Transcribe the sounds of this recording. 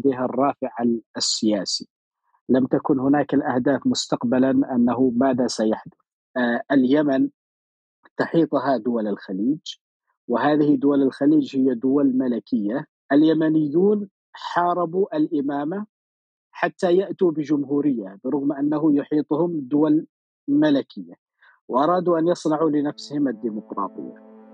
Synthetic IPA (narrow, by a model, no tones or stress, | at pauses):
d̪eːɦɑrˤːɑːfɪʕasːɪjaːsi | lamt̪akʊnhʊnaːkɪlʔahd̪aːfmʊst̪aqbalanʔanːaɦʊmaːðasajaħd̪ʊθθ | ʔɪljaman | t̪ʊħiːt̪ˤɦad̪ʊwalɪlxaliːd͡ʒ | wɪɦaːðɪhɪd̪ʊwalɪlxaliːd͡ʒhɪjːad̪ʊwalmalɪkɪjːa | ʔaljamanɪjːuːn | ħɑːɾˤɑbuʔalʔɪmaːma | ħat̪ːajaʔt̪ubɪʒʊmɦuːɾɪjːabəɾʊɣmʔanːaɦʊjʊħiːt̪ˤhʊmd̪ʊwal | malɪkʰɪjːa | wʔɑɾˤɑːd̪uʔanjɑsˤnɑʕulɪnafsɪhɪmad̪ːimʊqɾˤɑ̰ːt̪ˤɨ̰jːa